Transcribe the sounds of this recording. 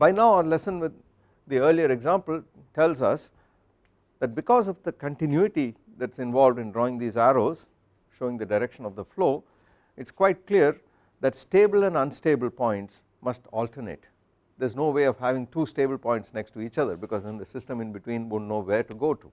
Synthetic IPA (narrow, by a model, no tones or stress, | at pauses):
baɪnaʊəlɛsə̃nʋɪd̪ː | iəɾliəɾeɡzãmpəl | ʈɛlzʌs | d̪æʈ̚bɪkɔːzɔʋd̪əkə̃ɳʈɪ̃njuɪʈi | d̪æʈɪsɪ̃nʋɔːlʋɖɪ̃nɖɾɔːɪ̃ŋd̪iːzæɾoːz | ʃoːɪ̃ŋd̪əɖaɪɾɛkʃə̃nɔʋd̪əfloː | ɪʈskwaɪʈ̚kliəɾ | d̪æʈsʈeːbəlɛ̃nʌ̃nsʈeːbəlpɔ̃ɪ̃ɳʈs | mʌsʈɔːlʈənḛːʈ | d̪eznoːʋeːɔʋɦæʋɪ̃ŋʈuːsʈeːbəl̩pɔ̃ɪ̃ɳʈsnɛksʈuiːt͡ʃʌd̪əɾbɪkɔːzə̃nd̪əsɪsʈə̃mɪ̃nbɪʈwĩnʋõnoːʋeɾʈuɡoːʈu